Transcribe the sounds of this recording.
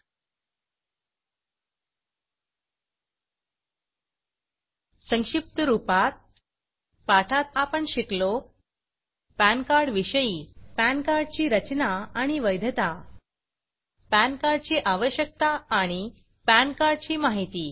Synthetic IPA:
sə̃ŋʂip̚t̪əɾupat̪̚ | paʈʰat̪apəɳɕiklo | pænkaɾɖʋiɕəjiːpænkaɾɖ̚t͡ɕiːɾət͡ɕnaːɽ̃iʋəjd̪ʱət̪a | pænkaɾɖt͡ɕiːʔaʋəɕjək̚t̪aːɽ̃i | pænkaɾɖ̚t͡ɕiːmaɦit̪iː

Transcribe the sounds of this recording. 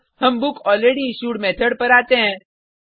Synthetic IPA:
həmbukɔlɾeɽiɕuːɽmɛt̪ʰəɽpəɾaːt̪ẽ

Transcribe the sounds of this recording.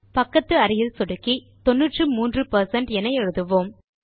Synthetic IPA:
pɐkːɐt̪ːɯɐɾɪjɪlsɔɽɯkːi | t̪ɔnːɯʈrɯmuːndrɯpɐɾsɐɳʈɛnɐɪɛɻɯðɯʋoːm

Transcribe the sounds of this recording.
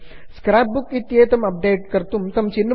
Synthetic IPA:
skɾaːp̚bukit̪jeːt̪ɐmɐp̚ɖeːʈ̚kɐɾt̪umt̪ɐmt͡ʃinː

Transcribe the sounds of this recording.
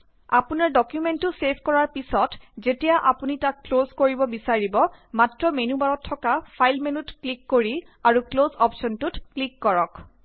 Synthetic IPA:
apunaɹdɔkjumentʊsepʰkɔɹaɹpisɔtzetijaʔapunitakːlozkoɹibɔbisaɹibɔmatɹɔmenubaɹɔtʰːɔkapʰajlmenutklikːoɹi | aɹuklozɔpʃɔntutklikːɔɹɔk

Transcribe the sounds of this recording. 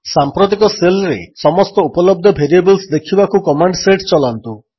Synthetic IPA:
sampɾot̪̬ikɔselɾesɔmɔst̪ɔupɔlɔb̚d̪ʱɔbʱeɾiebɔlsd̪ekʰibakukɔmaɳɖseʈt͡ʃɔlant̪u

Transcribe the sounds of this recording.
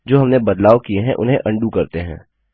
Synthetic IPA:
d͡ʒoːɦɐmnebɐd̪laːʋkieɦɛ̰̃ʔʊ̰nɦẽʔɐ̃ɳɖukɐɾt̪eɦɛ̰̃ː

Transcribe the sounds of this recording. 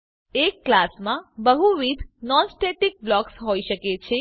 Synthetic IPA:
ekːlasmãbəɦuʋid̪ʱnɔnsʈeʈik̚blɔksɦoiʃəket͡ʃʰe

